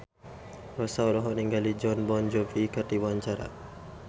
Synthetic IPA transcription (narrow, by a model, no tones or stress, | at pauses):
rɔsaɔlɔɦɔniŋɡalid͡ʒɔnbɔnd͡ʒɔvikart̪iwaɲt͡ʃaɾa̰